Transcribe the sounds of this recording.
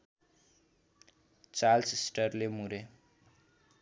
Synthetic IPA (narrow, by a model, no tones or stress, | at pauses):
t͡salsisʈʌrlemuɾe